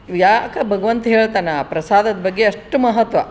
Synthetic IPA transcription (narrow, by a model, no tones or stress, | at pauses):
jaːkɐbʱɐɡɐʋɐnt̪ɦeːɭt̪aːnapɾɐsaːd̪ɐd̪bɐɡːeɐʂʈmɐɦɐt̪ʋɐ